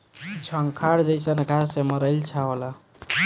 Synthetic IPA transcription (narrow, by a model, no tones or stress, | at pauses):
t͡ʃʰəŋkʰaɾd͡ʒəjsənɡʱaseməɾəjlt͡ʃʰaɦola